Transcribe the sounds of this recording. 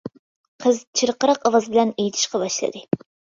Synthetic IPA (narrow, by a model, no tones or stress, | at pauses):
qʰəzt͡ʃʰiɾqəɾɑqɑwɑzbɪlɛnejt̪ʰi̥ʃqɑbɑʃlˠɨ̰d̪ɨ